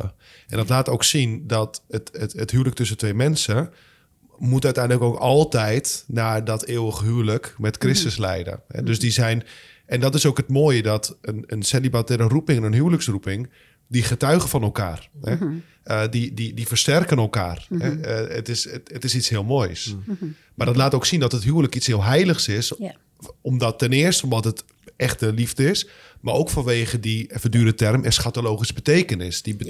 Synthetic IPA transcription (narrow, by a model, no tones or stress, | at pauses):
ʔɛndɔtlaːtowksindɔtətəəthyələk̚tøsətʋeːmɛnsə | mutœɥtɛjndləkoːkɔlˠtɛjtnaːdɔteːəwəɣəɦyələkmɛtkrɪstəslɛ̰jdə̰hɛ̰døsdizɛjn | ɛndɔtɪsowkətmoːjədɔtənənsɛlibatɪɾərupɪŋɛnənɦyələksrupɪŋ | diχətœɥɣəfɔnɛlˠka̰ːrhɛ | ədididifərstɛrkənɛlˠka̰ːrɦɛətɪsətɪsitshɪəlˠmoːjs | mardɔtlaːtoːksindɔtətɦyərləkitshɪːəlˠɦɛjləxsɪs | ɔmdɔtːɛnɪərstəɔmɔtət | ɛxtəlivdəɪs | maroːkfɔnʋeːɣədifədyəɾətɛrmɪsxatoloːχisbəteːkənɪsd̥i